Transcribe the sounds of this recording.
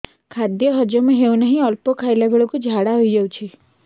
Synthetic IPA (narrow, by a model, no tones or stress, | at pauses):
kʰad̪jɔɦəd͡ʒjɔmãɦeũnaɦĩɔlpokʰaelabʱeɭokud͡ʒʱaɽaɦoid͡ʒəut͡ʃʰi